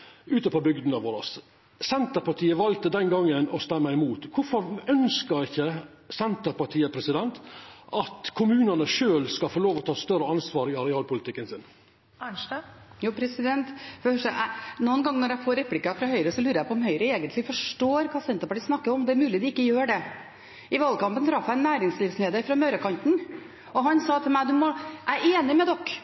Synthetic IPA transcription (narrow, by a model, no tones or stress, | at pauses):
ʉːt̪əpɔbʏɡd̪n̩ɑʋoːɾɑ̰s | sɛnt̪əɾpɑʈʰiːəʋɑlt̪əd̪ɛnɡɑŋːənɔst̪ɛmːəɪmuːt̪kʰʊfɔɾœnskəɾɪçːə | sɛnt̪əɾpɑʈʰiːəpʰɾɛsɪd̪ɛnt̪ʔɑt̪kʰʊmʉːnənəʂøːlskɑfoːloːʋɔt̪ʰɑːst̪œɾəɑnsʋɑːɾɪɑɾɛɑːlpʰʊlɪt̪ɪkːənsɪn | ænʂjuːpʰɾɛsɪd̪ɛnt̪fɔhœʂæʔænuːənɡɑŋnɔɾæɪfoːɾɛplɪkɑfɾɑhœʏɾəsɔlʉːɾəjæɪpʰɔɔmhœʏɾəeːɡənt̪lɪfɔʂʈoːɾkʰɑːsɛnt̪əɾpɑʈiːsnɑkːəɾɔmd̪ɛæɾmʉːlɪd̪ɪɪkːəjøːɖɛ | ʔɪʋɑlkɑmpənt̪ʰɾɑfːæɪɛnːæːɾɪŋsliːʋsmeːd̪əfɾɑmøɾəkɑnt̪n̩ | ɔɦɑnsɑːt̪ʰɪlmæɪd̪ʉmɔʔæeːnɪmɛd̪ɔkː